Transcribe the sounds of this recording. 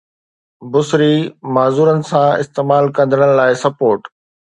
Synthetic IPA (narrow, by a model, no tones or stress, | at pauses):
bʊsɾimaːzuːɾənɪ̆sãɪ̰st̪eːmaːlkɐ̃nd̪ʱəɽ̃ɪ̆laːɪsɐpoːɾʈ